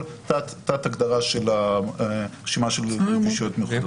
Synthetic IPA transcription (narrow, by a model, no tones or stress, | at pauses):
l | tat̪tːaːt̪aɡd̪aʁaʃela | ʁeʃimaʃelɡiʃijotmeχ